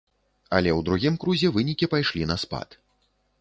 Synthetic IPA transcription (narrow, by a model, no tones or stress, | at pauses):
ɐlʲɛwd̪ɾuɣʲimkɾuzʲɛvɨnʲikʲipajʂlʲinɐspa̰t̪